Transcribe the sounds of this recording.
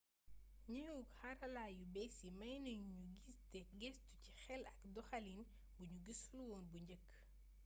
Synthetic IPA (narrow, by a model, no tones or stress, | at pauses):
ɲɐukhɐɾɐlaːjubɛsimɐjnɐŋɲuɡistɛɡɛstucixɛlɐkdɔxɐlin | buɲuɡisluwɔːnbuɲɟəkː